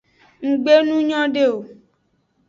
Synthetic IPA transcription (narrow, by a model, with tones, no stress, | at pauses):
ŋ̩˨ɡ͡be˦nũ˦ɲɔ̃˦ɖe˦o˨